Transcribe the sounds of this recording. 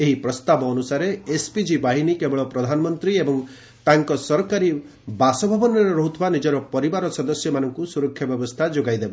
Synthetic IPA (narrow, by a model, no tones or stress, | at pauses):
eɦipɾɔst̪abɔːnusaɾeespid͡ʒibaɦinikebɔɭɔpɾɔd̪ʱanɔmɔnt̪ɾiebɔŋ | t̪aŋkɔsɔɾkaɾi | basɔbʱɔbɔnɔɾɔɾɔɦut̪ʰɔbanid͡ʒɔɾɔpɔɾibaɾɔsɔd̪ɔsjɔmanɔŋkusuɾɔkʰːjɔbjɔbɔst̪ʰad͡ʒoɡajd̪eba